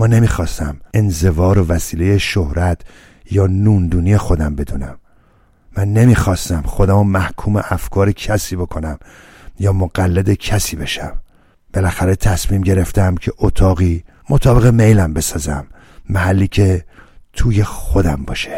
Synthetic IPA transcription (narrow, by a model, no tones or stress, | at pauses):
mɒːne̞miːxɒːst̪æme̞nze̞vɒːɾo̞væsiːle̞jeʃohɾæt̪ʰ | jɒːnuːnd̪uːnije̞xo̞d̪æmbe̞d̪uːnæmː | ænːe̞miːxɒːst̪æmxo̞d̪æmomæhkʰuːme̞̰ʔæfkʰɒːɾecʰæsiːbo̞kʰo̞næm | jɒːmoɡælːed̪ecʰæsiːbe̞ʃæm | b̥e̞læxæɾe̞t̪ʰæsmiːmɟe̞ɾe̞ft̪æmcʰe̞ʔot̪ʰɒːɣiː | mot̪ʰɒːbe̞ɣemejlæmbe̞sɒːzæ̰mː | æhælːiːcʰe̞t̪ʰuːje̞xo̞d̪æmbɒːʃe̥